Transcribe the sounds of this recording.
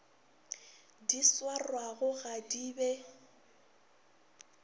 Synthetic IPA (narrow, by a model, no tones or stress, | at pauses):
diswarwaɣʊɣadiːbɛ